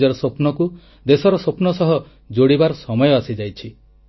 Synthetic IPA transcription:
d͡ʒɔɾɔsopnɔku | d̪esɔɾɔsopnɔsɔɦɔ | d͡ʒoɽibaɾɔsɔmɔjɔasid͡ʒajt͡ʃʰi

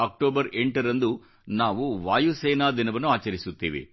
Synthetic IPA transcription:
ɐk̚ʈoːbɐɾeɳʈɐɾɐnd̪u | naːʋuʋaːjuseːnaːd̪inɐʋɐnːuaːt͡ʃɐɾisut̪ːeːʋḛ

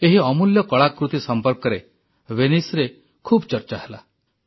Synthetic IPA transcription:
eɦiɔmuljɔkɔɭakɾut̪isɔmpɔɾkɔɾe | wenisɾe | kʰubt͡ʃɔɾt͡ʃaɦela

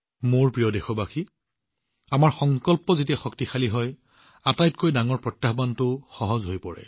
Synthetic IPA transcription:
moɹpɹijɔdɛxɔbaxʰi | amaɹxɔŋkɔlpɔzetiɛxɔktixʰaliɦɔj | atajtkojdaŋɔɹpɹɔtjaɦbantʊxɔɦɔzɦojpɔɹɛ̰

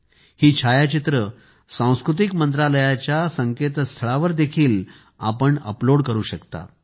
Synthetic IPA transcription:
hiːt͡ɕʰajat͡ɕit̪ɾə | sãw̃skɾut̪̬ikmənt̪ɾaləjat͡ɕjasəŋket̪st̪ʰəɭaʋəɾd̪ekʰiːl | apəɳə̰ploɽkəɾuːɕəkt̪a̰

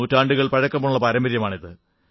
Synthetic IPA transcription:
uːtːaːɳɖuɣɐɭpɐɻɐkːɐmːɐɭuɭːɐpɐɾɐmbɐɾjɐmaːɳiðɨ

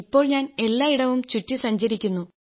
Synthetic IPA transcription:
ipːo̞ːɭɲaːne̞lːaːiɽɐʋumt͡ɕutːisɐɲt͡ɕɐɾikʲːunːu

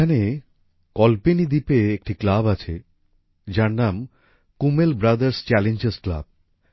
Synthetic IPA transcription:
ane | kɔlpenid̪ipeek̚ʈiklabat͡ɕʰe | d͡ʑaɾnam | kumelbɾad̪aɾst͡ɕɛlend͡ʑeskla̰b̚

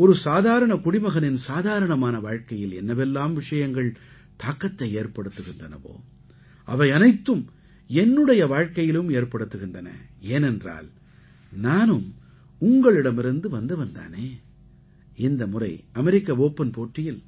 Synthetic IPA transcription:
ɔɾɯsaːðaːɾɐɳɐkʊɽɪmɐɣɐnɪnsaːðaːɾɐɳɐmaːnɐʋaːɻkɐjɪlɛ̰nːɐʋɛlːaːmʋɪʂɐjɐŋɡɐɭ | t̪aːkːɐt̪ːɐɪeːrpɐɽɯt̪ːɯɣɪndrɐnɐ̰ʋo̰ː | ʔɐ̰ʋɐɪɐnɐɪt̪ːɯm | ɛnːɯɽɐjɐʋaːɻkɐjɪlɯmeːrpɐɽɯt̪ːɯɣɪndɐnɐ̰eːnɛndra̰ːl | naːnɯm | ʊŋɡɐɭɪɽɐmɪɾɯnd̪ɯʋɐnd̪ɯʋɐnd̪a̰ːneː | ɪnd̪ɐmʊrɐ̰ɪɐmɛɾɪkːɐʋoːpːɐnpoːʈːɪjɪl

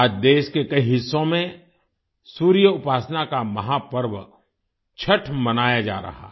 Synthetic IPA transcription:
aːd͡ʒd̪eːʃkekɐiɦɪsːõmẽ | suːɾijəʊpaːsnakamɐɦapəɾʋ | t͡ʃʰəʈʰmɐnaːjad͡ʒa̰ːɾɐ̰ɦa̰ː

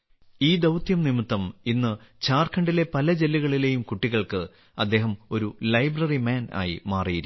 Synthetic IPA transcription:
iːd̪ɐwt̪jɐmnimɨt̪ːɐminːɨt͡ɕaːrkʰɐɳɖile̞pɐlɐd͡ʑe̞lːiɣɐɭile̞jumkuʈːiɣɐɭkɨ | ɐd̪ːe̞ːɦɐmo̞ɾulɐjbrɐrimaːna̰ːjḭmaːrijiɾu

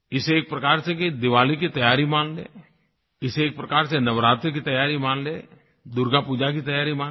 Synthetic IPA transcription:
ɪseeːk̚pɾɐkaːɾsekid̪ɪʋaːlikit̪ɐjaːɾimãːnlḛː | ɪseːk̚pɾɐkaːɾsenɐʋɾaːt̪ɾk̬it̪ɐjaːɾimãːnleː | d̪ʊɾɡapuːd͡ʒak̬it̪ɐjaːɾimãː

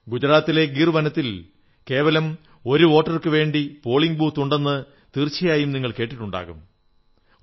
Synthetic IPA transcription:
ɡud͡ʑɐɾaːt̪ːile̞ɡirʋɐnɐt̪ːil | ke̞ːʋɐlɐm | o̞ɾuo̞ːʈːɐrkɨʋe̞ːɳɖipo̞ːɭiŋɡbuːt̪uɳɖenːɨ | t̪irt͡ɕːɐjaːjumniŋːɐɭke̞ːʈːiʈːuɳɖa̰ːɣum

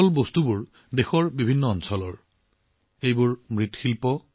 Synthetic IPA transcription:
ɔlbost̪ubʊɹ | dexɔɹbibʱinːɔɔnsɔlɔɹ | ejbʊɹmɹit̪xʰilpɔ

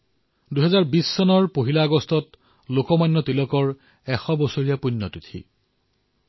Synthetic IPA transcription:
duɦɛzaɹbisːɔnɔɹpoɦilaːɡɔstɔt | lokɔmajnːɔtilɔkɔɹ | ɛxɔbɔsoɹijapunːɔtitʰḭ

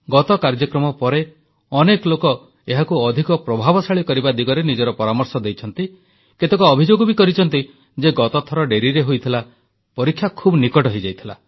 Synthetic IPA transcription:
ɡɔt̪ɔkaɾd͡ʒɔkɾɔmɔpɔɾe | ɔnekɔlokɔ | eɦakuɔd̪ʱikɔpɾɔbʱabɔsaɭikɔɾibad̪iɡɔɾenid͡ʒɔɾɔpɔɾamɔɾsɔd̪ejt͡ʃʰɔnt̪i | ket̪ekɔːbʱid͡ʒoɡɔbikɔɾit͡ʃʰɔnt̪i | d͡ʒeɡɔt̪ɔt̪ʰɔɾɔɖeɾiɾeɦojt̪ʰila | pɔɾikʰːjakʰubɔnikɔʈɔɦid͡ʒajt̪ʰila̰

